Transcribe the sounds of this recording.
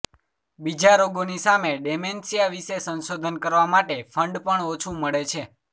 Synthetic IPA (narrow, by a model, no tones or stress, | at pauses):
bid͡ʒaɾoɡonisameɖemensijaʋisesənsod̪ʱənkəɾʋamaʈefʰəɳɖpəɳot͡ʃʰũməɭet͡ʃʰe